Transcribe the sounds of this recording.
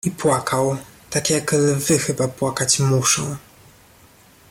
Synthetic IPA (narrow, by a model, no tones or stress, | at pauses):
ipwakʰawt̪akʲjaklvɘxɘbapwakat͡ɕmuʂɔ̃w̃